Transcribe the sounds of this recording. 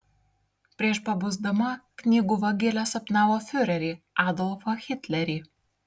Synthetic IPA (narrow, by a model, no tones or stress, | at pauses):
pʲɾʲiɛʃpɐbʊzd̪ɐmɐknʲiːɡʊʋɐɡʲɪlʲɛsɐpnɑːʋofʲʊɾʲɛɾʲiː | ɑːd̪ɔlˠfɐxʲɪt̪ʲlʲɛɾʲiː